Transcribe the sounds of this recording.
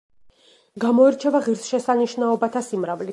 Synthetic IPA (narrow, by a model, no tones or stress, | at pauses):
ɡamɔɛɾt͡ʃʰɛvaʁiɾsʃɛsaniʃnaɔbat̪ʰasimɾavli